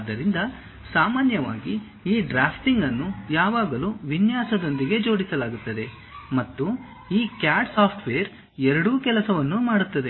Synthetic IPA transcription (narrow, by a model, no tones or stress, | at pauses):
d̪ːɐɾind̪ɐ | saːmaːnjɐʋa̰ːɡi | iːɖɾaːpʰʈiŋɡɐnːujaːʋaːɡɐluːʋinjaːsɐd̪o̞nd̪iɡe̞d͡ʒo̞ːɽisɐlaːɡut̪ːɐd̪e̞ | mɐt̪ːu | iːkjaːsaːpʰʈʋeːjɐɾ | ɛɾɐɽukɛlɐsɐʋɐnːumaːɽut̪ːɐd̪e̞